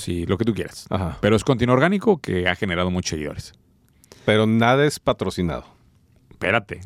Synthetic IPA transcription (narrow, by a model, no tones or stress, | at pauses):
siloke̞t̪ukje̞ɾasa̰xapeɾoeskont̪inoɾɣanikokʰe̞axe̞neɾað̞o̞mut͡ʃoseɣiðo̞̰ɾes | pe̞ɾo̞naðaespat̪ɾosina̰ð̞o | pe̞̰ɾat̪e